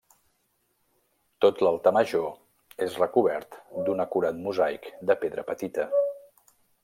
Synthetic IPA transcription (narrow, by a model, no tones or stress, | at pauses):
t̪ot̪lalˠt̪əməʒo | ezrəkuβɛɾt̪d̪unəkuɾat̪muzajkd̪əpeðɾə̰pət̪it̪ə